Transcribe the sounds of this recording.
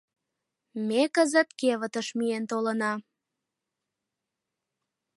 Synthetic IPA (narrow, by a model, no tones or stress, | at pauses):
mekəzə̆t̪keβət̪əʃmient̪olənɑ